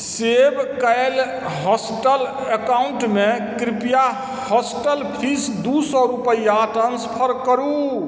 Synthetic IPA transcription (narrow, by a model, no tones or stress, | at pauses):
sebkal | ɦɔsʈəl | ekauɳʈmekɾipija | hɔsʈəlpʰisd̪usɔɾupəjaʈənspʰəɾkəɾu